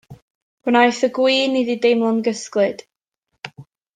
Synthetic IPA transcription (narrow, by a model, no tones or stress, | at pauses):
ɡ̥ənajθəɡwiːnididejmlˠɔnɡəsklˠɨd̥